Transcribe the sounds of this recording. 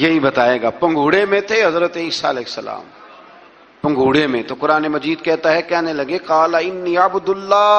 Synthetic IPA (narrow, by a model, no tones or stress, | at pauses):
jeɦibɐt̪aːeːɡaːpɐ̃ŋɡʱuːɽemẽt̪ʰeɦɐzɾət̪eɪsaɪlɛːsːəla̰ːm | pɐ̃ŋɡʱuːɽemẽt̪okʊɾaːnemɐd͡ʒiːd̪kɛɦt̪aɦɛkɛːnelɐɡeqaːlaɪnːiːabʊd̪ʊlːaː